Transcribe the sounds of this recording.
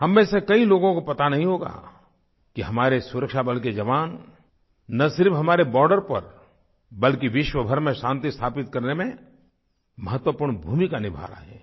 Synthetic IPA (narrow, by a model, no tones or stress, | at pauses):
hɐmːẽsekɐiloːɡõkopɐt̪anɐɦĩɦoːɡa̰ | kiɦɐmaːɾesʊɾəkʃabɐlk̬ed͡ʒɐʋaːnː | ɐsɪɾfɦɐmaːɾebɔːɾɖəɾpɐɾ | bɐlkiʋɪʃwəbʱɐɾmẽʃãːnt̪ist̪ʰaːpɪt̪̚kɐɾnemẽ | mɐɦət̪wəpuːɾɳbʱuːmikanɪbʱa̰ːɾa̰ɦɛ̰ː